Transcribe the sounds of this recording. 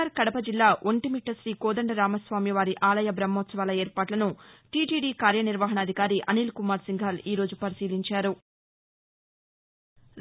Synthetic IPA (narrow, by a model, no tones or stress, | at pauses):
aɾkɐɽɐpɐd͡ʒilːaːʔoɳʈimiʈːɐsɾiːkɔːd̪ɐɳɖɐɾaːmɐsʋaːmjɐʋaːɾiʔaːlɐjɐbɾɐmːɔːt̪sɐʋaːlɐeːɾpaːʈlɐnuʈiːʈiːɖiːkaːɾjɐniɾʋɐɦɐɳɐːd̪ʱikaːɾiʔɐ̰niːlkumaːɾsiŋɡʱaːliːɾo̞ːd͡ʒupɐɾisiːliɲt͡ʃaːɾu | ɾ